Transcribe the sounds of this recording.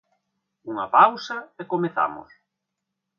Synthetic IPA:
uŋɐpawsɐekomeθa̰mʊ̰s

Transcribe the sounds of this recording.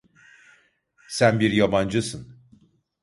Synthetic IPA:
sænbiɾjaband͡ʒɯsɯn

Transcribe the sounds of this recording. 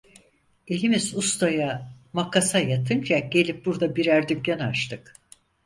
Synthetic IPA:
e̞lʲimizust̪ʰaja | makːasajat̪ʰɯŋcʰɾɛɟe̞lʲip̚buɾd̪abiɾæɾd̪yɟanaʃt̪ʰɯk

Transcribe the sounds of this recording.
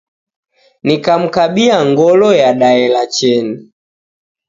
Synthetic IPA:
nikam̩kaɓiaŋɡɔlɔjaɗaɛlat͡ʃɛni

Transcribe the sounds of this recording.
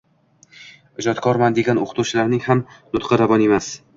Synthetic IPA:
ɪd͡ʒɒt̪kʰɒɾmand̪eɡʲanoqʰt̪ʊt͡ʃlaɾnɪŋhamnʊt̪qʰɨɾavɒne̞mas

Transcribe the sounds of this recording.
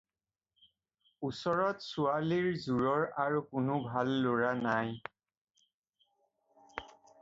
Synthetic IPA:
usɔɹɔtsualiɹzuɹɔɹaɹukʊnʊbʱalːoɹanaj

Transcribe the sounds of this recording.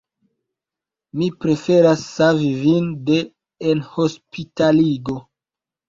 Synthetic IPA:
mipɾe̞fe̞ɾasːavivinde̞ː | nho̞spʰitaliɡo̞

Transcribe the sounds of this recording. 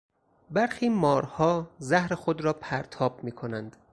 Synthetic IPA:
bæɾxiːmɒːɾhɒːzæhɾexod̪ɾɒːpʰæɾt̪ʰɒːbmiːkʰonænd̪̥

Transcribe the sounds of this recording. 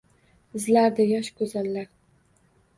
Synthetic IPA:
ɪzlaɾd̪ajɒʃkʰɵzanlaɾ

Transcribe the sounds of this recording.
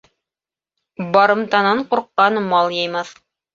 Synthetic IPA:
bɑɾɤ̆mt̪ɑnɑɴquɾq̪̚ːɑnmɑlˠjɤ̆jmɑθ

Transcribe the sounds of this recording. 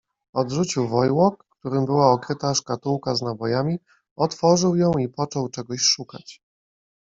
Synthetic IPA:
ɔd̪ʐut͡ɕiwvɔjwɔkːt̪uɾɘmbɘwaɔkɾɘt̪aʂkat̪uwkaznabɔjamʲi | ɔt̪fɔʐɘwjɔ̃w̃ipɔt͡ʂɔwt͡ʂɛɡɔɕʂukat͡ɕ

